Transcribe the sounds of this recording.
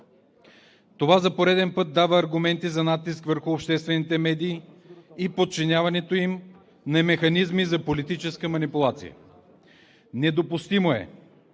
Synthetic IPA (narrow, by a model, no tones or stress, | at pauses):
t̪ovazɐpoɾɛd̪ɛnpɤt̪̚d̪avəːɾɡʊmɛnt̪izɐnat̪ːiskvəɾxʊːpʃt̪ɛst̪vɛnit̪ɛmɛd̪iː | ipot̪̚t͡ʃinʲavɐnɛt̪oim | nɐmɛxɐnizmizɐpolit̪it͡ʃɛskəmɐnipʊlˠat̪sḭjə̰ | nɛd̪opʊst̪imoɛ̰